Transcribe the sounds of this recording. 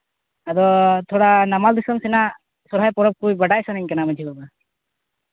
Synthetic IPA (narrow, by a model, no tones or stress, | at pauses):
ad̪ɔt̪ʰɔɽanamald̪isɔmsɛna | sɔɾɦajpɔɾɔb̚kujbəɽajsanɛɲkanaməd͡ʒʱibaba